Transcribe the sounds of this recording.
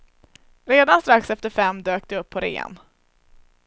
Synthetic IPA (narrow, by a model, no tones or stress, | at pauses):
ɾeːd̪anst̪ɾaksɛft̪əɾfɛmːd̪øːk̚d̪ɛɵpʰːɔɾḛːə̰n